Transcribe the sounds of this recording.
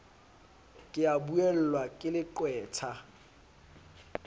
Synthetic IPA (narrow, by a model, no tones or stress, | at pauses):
kʼɪabuɛl̩lwakʼɪlɪǃwɛːtʰa